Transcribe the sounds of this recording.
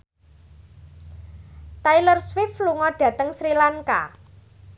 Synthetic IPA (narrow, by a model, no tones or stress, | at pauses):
t̪ajlərswɪfluŋɔɖ̥ä̤t̪əŋsɾilaŋka̰